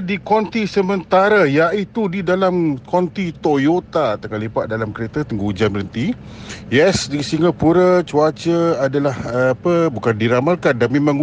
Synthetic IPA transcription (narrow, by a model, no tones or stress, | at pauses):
dikɔnt̪isəmənt̪aɾajaʔit̪udidalamkɔnt̪it̪ojot̪at̪akalipaʔ̪̚dalamkəɾet̪ət̪əŋɡud͡ʒanbəɾənt̪i | jɛsdisiŋəpuɾət͡ʃuat͡ʃəadalahpəbukandiɾamalkandanmẽmãŋ